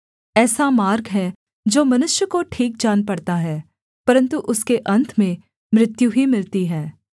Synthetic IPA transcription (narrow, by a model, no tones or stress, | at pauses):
ɛːsamaːɾɡɦɛ | d͡ʒoːmɐnʊʃjəkoʈʰiːk̚d͡ʒaːnpɐɽt̪aɦɛː | pɐɾə̃nt̪uʔʊskeʔɐ̃nt̪ʰmẽ | mɾɪt̪juɦimɪlt̪iɦɛː